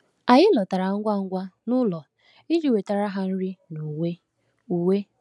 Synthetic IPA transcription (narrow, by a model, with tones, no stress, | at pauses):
a˨ɣɪ˦lɔ˨ta˨ɾa˨ŋ̩˦ɡʷa˦ŋ̩˦ɡʷa˦nʊ˦lɔ˨ | i˦d͡ʒi˨we˨ta˨ɾa˦ɦa˦n̩˦ɾi˦nu˨we˦ | u˨we˦